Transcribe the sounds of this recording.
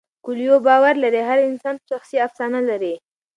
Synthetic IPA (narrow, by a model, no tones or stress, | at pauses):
kʊljobɑwaɾlaɾeɦaɾɪnsɑnpəʃaxsiafsɑnalaɾi